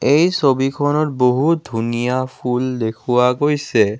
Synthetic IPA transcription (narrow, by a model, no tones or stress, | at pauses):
ejsobikʰɔnɔtboɦudʱunijapʰuldekʰuwaɡojsɛ